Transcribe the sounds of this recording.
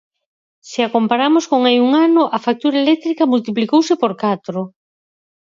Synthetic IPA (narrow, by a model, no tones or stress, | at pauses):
sɪakompaɾamʊskoŋajuŋanʊʔafak̚t̪uɾaelɛk̚t̪ɾikɐmult̪iplikowsɪpoɾkat̪ɾʊ